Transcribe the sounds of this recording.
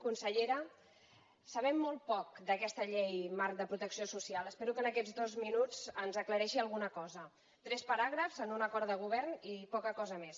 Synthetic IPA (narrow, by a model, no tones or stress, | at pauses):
kunsəʎeɾə | səβɛmːɔlˠt̪̚pɔk̚d̪əkɛst̪əʎejmark̚d̪əpɾut̪əksiosusialˠəspeɾukənəkɛd͡zd̪ozminud͡zənzəkləɾɛʃiəlˠɣunəkɔzə | t̪ɾɛspəɾaɣɾəfzənunəkɔɾd̪əɣ̞uβ̞ɛrnipɔkəkɔzəmes